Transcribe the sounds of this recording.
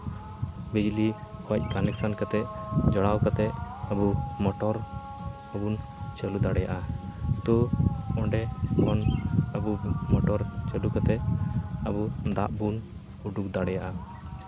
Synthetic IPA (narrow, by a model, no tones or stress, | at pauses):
bid͡ʒlikwac̚ˀkanɛk̚sankat̪ɛd͡ʒɔɽawkat̪ɛʔəbumɔʈɔɾ | əbun | t͡ʃəlud̪aɽɛjaʔat̪uɔɳɖɛkɔnəbumɔʈɔɾt͡ʃəlukat̪ɛəbud̪a̰ʔbun | uɖuk̚d̪aɽɛjaʔa